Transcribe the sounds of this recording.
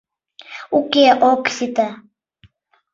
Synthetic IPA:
ukʲeʔoksit̪a

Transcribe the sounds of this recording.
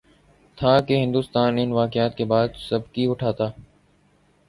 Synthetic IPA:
t̪ʰaːkeɦɪ̃nd̪uːst̪aːnɪnʋaːkɪjaːt̪̚keːbaːd̪səbkiʊʈʰaːt̪aː

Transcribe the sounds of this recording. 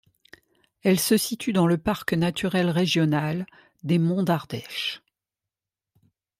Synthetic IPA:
ɛlsəsit̪ʰyd̪ɑ̃ləpaʁknat̪ʰyʁɛlʁeʒjɔnal | d̪emɔ̃d̪aʁd̪ɛʃ

